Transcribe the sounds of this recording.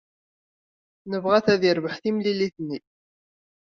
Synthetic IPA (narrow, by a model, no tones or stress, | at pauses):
nəvʁæθæðiɾvəħθimliliθnːi